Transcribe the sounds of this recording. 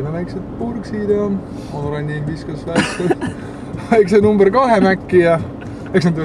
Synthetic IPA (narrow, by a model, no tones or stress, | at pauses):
nɑlæjkset̪̚purksid̪ɑ | onɾɑnʲːiviskɑslækse | læjks̬enumbərkɑɦemækːijɑ | e̞ks̬nɑd̪y